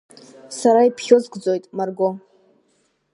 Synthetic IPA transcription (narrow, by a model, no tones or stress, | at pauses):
saɾaipʰχʲozɡʷʼd͡zo̞jtʼmarɡo